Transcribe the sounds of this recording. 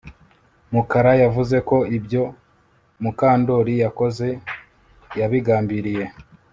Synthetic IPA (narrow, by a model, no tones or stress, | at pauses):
mukaɾajavuze̞ko̞ibjo̞ | mukaːndo̞ɾijako̞ze̞ | jaβiɡaːmbiɾije̞